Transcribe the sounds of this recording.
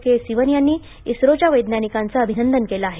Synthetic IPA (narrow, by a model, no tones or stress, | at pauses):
kesiʋənjanːiː | isɾot͡ɕaʋəjd̪nanikãnt͡səːbʱinənd̪ənkelaːɦe